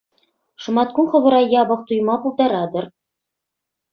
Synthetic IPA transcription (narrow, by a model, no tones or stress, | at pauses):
ʂɤ̆mɑt̪̚kunχɤ̆βɤ̆ɾɑjɑbɤ̆χ̚t̪ujmɑpulˠd̪ɑɾɑd̪ɤ̆r